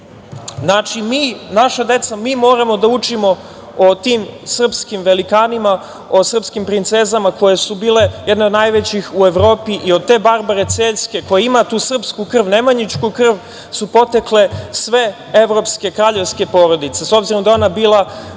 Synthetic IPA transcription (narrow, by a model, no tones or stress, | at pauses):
znat͡ʃimiːnaʃad̪e̞t̪samiːmo̞ːɾamo̞d̪aut͡ʂimo̞ | ot̪iːmsr̩pskimʋe̞likaːnima | o̞sr̩pskimpɾint̪se̞zamako̞je̞subiːle̞jɛd̪ne̞od̪najʋet͡ɕixue̞ʋɾo̞ːpiʔiod̪̚t̪e̞ːbaɾbaɾe̞t̪seːʎske̞ko̞jeimat̪uːsr̩pskukr̩ʋne̞maɲit͡ʃkukr̩ʋ | supo̞t̪ekle̞sʋe̞ | e̞ʋɾo̞pske̞kɾaːʎe̞ʋske̞po̞ːɾo̞d̪it̪se̞sobziɾo̞md̪ao̞nabiːlˠa